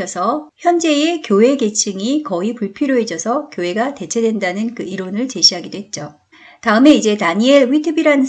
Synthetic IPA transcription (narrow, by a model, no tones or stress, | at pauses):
ʌsʰʌçjʌnd͡ʑe̞ekjowe̞ɡe̞t͡ɕʰɯŋikʌipuɭpʰiɾjoɦe̞d͡ʑʌsʰʌkjoe̞ɡate̞t͡ɕʰe̞dwe̞ndanɯnkɯiɾonɯɭt͡ɕe̞ɕʰiɦaɡidoɦe̞t̚t͡ɕ͈o | taɯme̞id͡ʑe̞taɲieɭwitʰɯbiɾanɯn